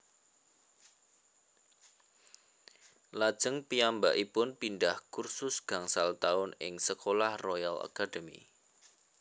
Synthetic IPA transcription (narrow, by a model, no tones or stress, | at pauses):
lad̥ʒ̥əŋpiambaʔipʊnpindahkursʊsɡ̥a̤ŋsalt̪aʊnɪŋsəkolahrojala̰kad̥əmḭ